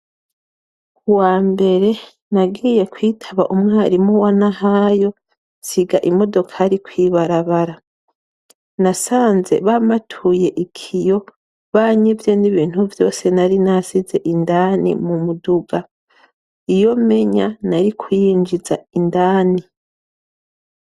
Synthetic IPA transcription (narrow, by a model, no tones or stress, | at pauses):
kuwaːmbe̞ɾe̞ | naɡiːje̞kwiːtʰaβaʔumŋaːɾimuwanaɦajo̞ | siɡaʔimo̞do̞kʰaɾikwiːβaɾaβaɾa | nasaːnze̞̰βamatʰuje̞ʔikʰijo̞ | βaːɲivjo̞niβiːn̥huvjo̞ːse̞naɾinasize̞ʔindaːnḭmumuduɡa | ijo̞me̞ɲanaɾikʰujiːɲd͡ʒizaindaːni